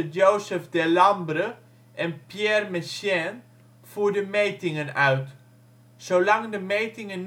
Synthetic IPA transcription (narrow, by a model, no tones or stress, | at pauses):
əjowsəfdɛlɑmbrə | ʔɛnpjɛrmɛsjɛn | fuːɹdəmejtɪŋənœɥt | sowlɑŋdəmejtɪŋən